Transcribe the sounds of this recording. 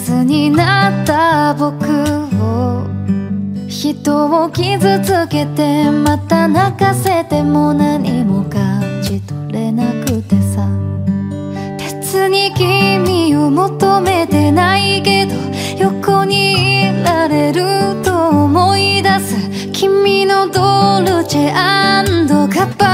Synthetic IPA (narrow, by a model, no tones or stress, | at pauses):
t͡sɨɲ̟inat̪ːabo̞kɯ̟o | çit̪o̞o̞kʲizɨt͡sɨke̞t̪e̞mat̪anakase̞t̪e̞mo̞naɲ̟imo̞kat͡ɕit̪oɾe̞nakɯ̟t̪e̞sa | b̥et͡sɨɲ̟ikʲimʲiomo̞t̪ome̞t̪e̞naike̞d̪o̞ | jo̞koɲ̟iɾaɾe̞ɾɯ̟t̪oːmo̞id̪asɨ | kʲʰimʲːino̞d̪oɾɯ̟t͡ɕeʔand̪o̞kapːa